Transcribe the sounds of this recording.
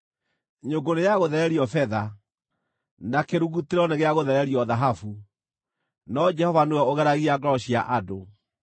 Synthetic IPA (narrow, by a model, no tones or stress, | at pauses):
ɲoɡonejaɣoðɛɾɛɾiɔfɛða | nakeɾuɣuteɾɔneɣeaɣoðɛɾɛɾiɔðaɦafu | nɔd͡ʒɛhɔvanowɛoɣɛɾaɣiaɡɔɾɔɕiaʔado